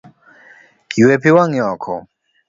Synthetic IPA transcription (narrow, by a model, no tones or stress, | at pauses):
uwɛpiwaŋjakʰɔ̰